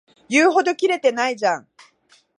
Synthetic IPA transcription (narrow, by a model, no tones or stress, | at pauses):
jɨːɦo̞d̪o̞kʲiɾe̞t̪e̞naid͡ʑãŋ